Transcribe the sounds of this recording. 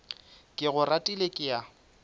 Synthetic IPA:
kʼɪɣʊratʼilekʼɪja

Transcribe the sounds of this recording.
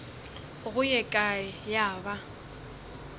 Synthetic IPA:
ɣʊjɛkʼajaːba

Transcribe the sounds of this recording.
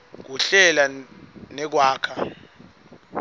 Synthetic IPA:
k̬uɬɛlanɛk̬waːkʰa

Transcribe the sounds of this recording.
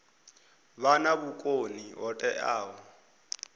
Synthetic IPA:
βanabukʼoniɦɔtʼɛʔaːɦɔ

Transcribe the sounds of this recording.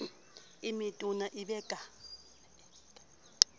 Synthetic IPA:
imitʼunaʔiɓɛːkʼa

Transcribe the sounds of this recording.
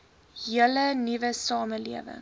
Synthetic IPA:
ɦiələnivəsɑːməliəvə̰ŋ

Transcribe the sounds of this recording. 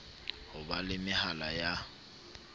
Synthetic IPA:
hʊbalɪmɪhalaja

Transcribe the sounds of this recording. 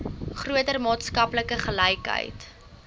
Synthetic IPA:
χruətərmɑːtskɐpləkəχəlɛjkɦə̰jt

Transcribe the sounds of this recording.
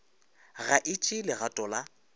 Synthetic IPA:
ɣaʔɪt͡ʃʼɪlɪɣatʼɔla

